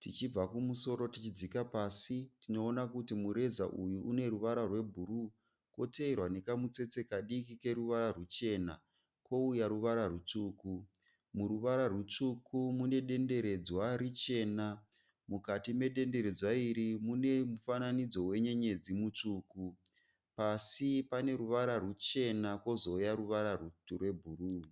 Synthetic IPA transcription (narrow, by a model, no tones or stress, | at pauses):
tit͡ʃib͡vakumuso̞ɾo̞tit͡ʃid͡zikapaːsitino̞ːnakutimuɾe̞za̰ʔujuʔune̞ɾuʋaɾarwe̞bʱuɾu | ko̞teirwane̞kamut͡se̞t͡se̞kaɗikike̞ɾuʋaɾarut͡ʃe̞ːna̰ | ko̞ujaɾuʋaɾarut͡ʂuːku | muruʋaɾarwut͡ʂukʰumune̞ɗe̞nde̞ɾe̞d͡zwaɾit͡ʃe̞ːna | mukatime̞ɗe̞nde̞ɾe̞d͡zwaiɾimune̞mufananid͡zo̞we̞ɲe̞ɲe̞d͡zimut͡ʂuːku | pasipane̞ɾuʋaɾarut͡ʃe̞nakwo̞zo̞jaɾuʋaɾarurwe̞bʱuru